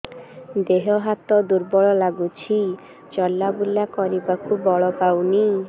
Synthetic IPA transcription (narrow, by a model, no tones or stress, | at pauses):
d̪eɦoɦat̪od̪uɾbɔɭɔlaɡut͡ɕʰi | t͡ɕɔlːabulːakɔɾibakʰubːɔɭopawni